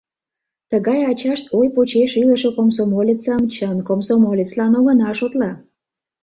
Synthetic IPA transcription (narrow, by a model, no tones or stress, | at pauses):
t̪əɣɑjɑt͡ɕɑʃt̪ʰojpot͡ɕeʃiləʃokomsomolʲit͡sɑmt͡ɕənkomsomolʲit͡slɑnoɣənɑʃot̪lɑ